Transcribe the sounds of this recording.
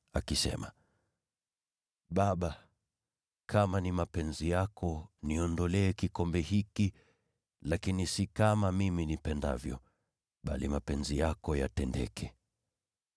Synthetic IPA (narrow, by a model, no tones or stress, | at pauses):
a̰kisɛ̰ma̰ | ɓaɓa | kʰamanimapɛnzijakʰɔniɔndɔlɛːkikɔmbɛhiki | lakinisikamamiminipɛnda̰vjɔ̰ | ɓalimapɛnzijakɔja̰tɛndɛ̰kʰɛ